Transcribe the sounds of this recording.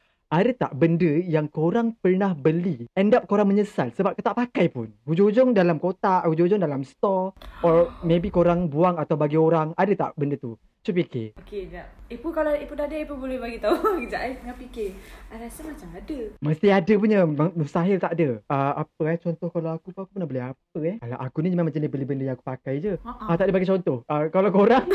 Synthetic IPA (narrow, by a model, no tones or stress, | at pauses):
ʔadət̪a̰ʔbəndəjaŋkoɾaŋpərnahbəliɛndap̚koɾaŋmə̃ɲəsalsəbap̚kət̪aʔpakajpʊnhud͡ʒʊ̃ŋhud͡ʒɔŋdalamkot̪aʔhud͡ʒʊhud͡ʒɔŋdalamst̪ɔɔmẽbikoɾaŋbuaŋat̪awbaɡioɾaŋadaət̪a̰ʔbəndət̪u | t͡ʃupikḛokenaipukalaipunadəipunbolɛhbaɡit̪aukəd͡ʒaʔɛŋapikeaɾasəmat͡ʃamadəməst̪iadəp̬uɲəməəst̪aɦɪlt̪aʔdəəapəɛt͡ʃɔnt̪ɔhkalawakupakupənahbəlɪɦap̚əɛla̰ʔakunid͡ʒəmamad͡ʒanɪhbəlɪhbəndəjãŋaku̥pakajd͡ʒəʔat̪aʔdəbaɡijt͡ʃɔnt̪ɔhəkalakoɾaŋ